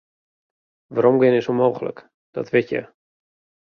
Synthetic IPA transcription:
ʋaɾomɡɪnɪsunmoːɣələ̰k | d̥ɔ̰tʋɪtjə̰

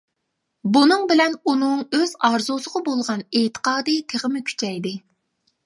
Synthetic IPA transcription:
bunɨŋbɪlɛnunɨŋøz̥ɑɾzusəʁɑbolˠʁɑneːt̪ʰə̥qɑːd̪ɨt̪ʰeʁəmɪkʲʰy̥t͡ʃʰɛjd̪ɪ

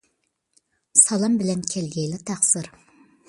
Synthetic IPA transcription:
sɑlˠɑmbɪlɛnkʲʰɛlɡʲɛjlɪt̪ʰæχsɨɾ

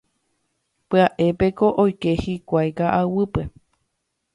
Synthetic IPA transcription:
pɨaʔe̞pe̞ko̞ʔojke̞hikʷajkaʔawɨpe̞

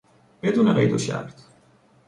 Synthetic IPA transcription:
b̥ed̪uːneɢḛjd̪oʃæ̰ɾt̪

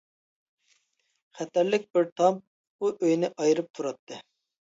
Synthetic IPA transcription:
χɛt̪æɾlɪk̚ʲbɪɾt̪ʰɑm | uʔøjnɪʔɑjɨɾɨp̚t̪ʰuɾɑt̪ʰːɨ

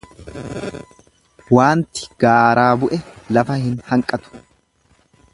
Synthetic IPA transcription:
waːnt̪ɪ̥ɡ̥aːɾaːbʊʔɛlɐfɐhɪnhɐŋkʼːɐt̪ʊ̥

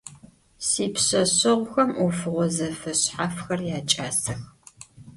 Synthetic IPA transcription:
siːpɕɐɕɐʁʷʊxɐmufɨʁʷɔzɐfɐɕħafxɐrjaːt͡ʃʼaːsɐx

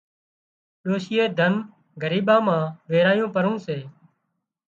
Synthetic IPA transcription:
ɗoːʃɪjeːd̪ʱən | ɡəɾiːɓãːmãːʋeːɾaːjõːpəɾõːseː

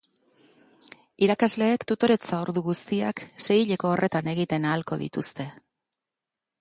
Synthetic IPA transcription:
iɾakazle̞ːkt̪ut̪o̞ɾe̞t͡saoɾðuɣust̪ia̰kse̞jiʎe̞ko̞ːrʔe̞t̪ane̞ɣ̞it̪e̞naːlko̞ðḭt̪ust̪e̞

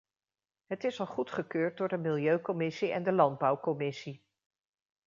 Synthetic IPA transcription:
ɦətɪsɑlˠχutχəkøːɹt̚dʊːɹdəmɪlˠjøɥkɔmɪsiɛ̰ndəlɑnd̚bʌwkɔmɪsi

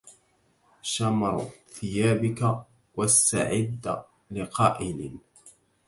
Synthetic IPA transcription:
ʃamɾˤθɪjaːbɪka | wast̪a̰ʕɪd̪ːa | lɪqɑːʔɪlɪ̰

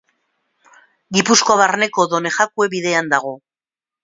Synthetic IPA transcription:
ɡipusko̞βarne̞ko̞ðo̞ne̞xakue̞βiðe̞and̪aɣo̞

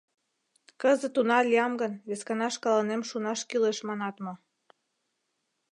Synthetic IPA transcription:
kəzə̆t̪unɑlʲiɑmɡənβeskɑnɑʃkɑlɑnemʃunɑʃkyleʃmɑnɑt̪mɤ̆

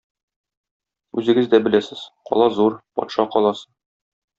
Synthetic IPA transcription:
ʉzɘ̆ɡɘzd̪æbɘ̆læsɘz̥qɒ̰lˠɑzuɾpɒ̰t̪ʃɑqɒlˠɑsɤ

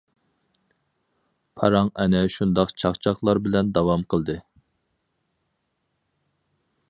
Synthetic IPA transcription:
pʰɑɾɑŋɛnɛʃund̪ɑqt͡ʃʰɑχt͡ʃʰɑχlˠɑɾbɪlɛnd̪ɑwɑmqəlˠd̪ɨ

